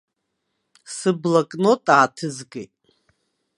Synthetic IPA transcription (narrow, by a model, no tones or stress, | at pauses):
sɨblakʼnotʼaːtʰɨzɡḛjtʼ